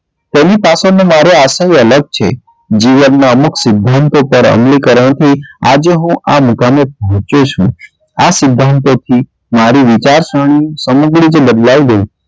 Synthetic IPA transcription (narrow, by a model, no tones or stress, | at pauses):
t̪enipasonemaɾeasajələɡ̚t͡ʃʰḛ | d͡ʒiʋənːaəmuksɪd̪ʱːant̪opəɾə̰mlikəɾəɳ̃t̪ʰia̰d͡ʒeɦũʔamukamep̚ɔɦɔ̃t͡ʃot͡ʃʰṵ̃ | asɪd̪ʱːant̪ot̪ʰi | maɾiʋit͡ʃaɾʃəɽ̃ĩsəmuɡɭid͡ʒbəd̪laid̪eĩ